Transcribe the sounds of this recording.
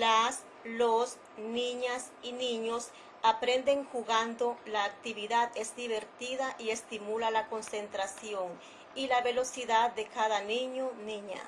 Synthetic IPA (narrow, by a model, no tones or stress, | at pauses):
las | los | nĩɲasinĩɲos | apɾe̞nd̪e̞ŋxuɣand̪o̞laːk̚t̪iβiðaðe̞zd̪iβe̞ɾt̪iðaʔie̞st̪imulalako̞nse̞nt̪ɾasjo̞ŋ | ilaβe̞lo̞siðad̪ːe̞kaðanĩɲonĩɲa̰